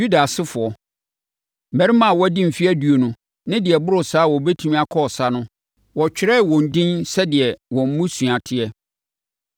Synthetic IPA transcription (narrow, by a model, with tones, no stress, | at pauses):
u˦da˨sɪ˦fʊ˨ɔ˨ | m̩˨mɛ̃˨ɾi˦mã˨wɔ˦æ˦dĩ˦m̩˨fi˦æ˦du˨o˨nũ˦ | nɪ̃˦dɪ˨ɛ˨bʊ˦ɾʊ˨saː˦wɔ˨bɛ˦tʰu˦mĩ˦a˨kʰɔ˦˨sa˦nʊ̃˦ | wɔ˨t͡ɕᶣɪ˦ɾɛ˦˨wɔ̃˨n̩˨dĩ˦nsɛ˦dɪ˨ɛ˨wɔ̃˨m̩˦mũ˦sũ˨a˨tʰɪ˦ɛ˦